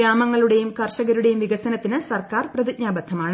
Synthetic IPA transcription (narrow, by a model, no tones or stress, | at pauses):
ɾaːmɐŋːɐɭuɽe̞jumkɐrɕɐɣɐɾuɽe̞jumʋiɣɐsɐnɐt̪ːinɨsɐrkaːrprɐðitɲaːbɐd̪ʱːɐmaːɳɨ